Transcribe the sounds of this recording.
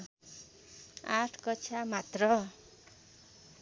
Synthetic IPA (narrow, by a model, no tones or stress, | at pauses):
aʈʰkʌt͡sʰamat̪rʌ